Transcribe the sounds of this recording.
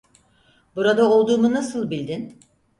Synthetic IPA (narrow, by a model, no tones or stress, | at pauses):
buɾad̪ao̞lˠd̪uːmunasɯlˠbilʲd̪in